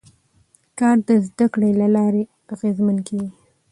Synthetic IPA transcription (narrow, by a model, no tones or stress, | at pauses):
kɑɾd̪əzd̪akɽelalɑɾe | aɣezmankeɡi